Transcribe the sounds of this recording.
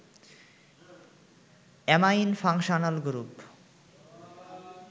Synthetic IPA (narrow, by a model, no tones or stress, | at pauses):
ɛmajinfaŋʃonalɡɾup